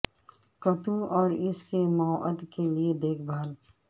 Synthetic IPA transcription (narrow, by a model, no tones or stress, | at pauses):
kɐʈ̪ũɔːɾɪskemaʔəd̪kelied̪eːkʰbʱaːl